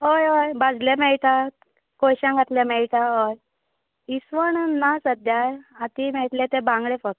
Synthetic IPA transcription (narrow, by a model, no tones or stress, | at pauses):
ɦojɦojbad͡zlemɛɭʈ̪a | kojɕãŋɡʱat̪ljemɛɭʈ̪aɦoj | isʋəɳnasəd̪jajat̪imɛt̪lẽt̪ẽbãŋɡɭefək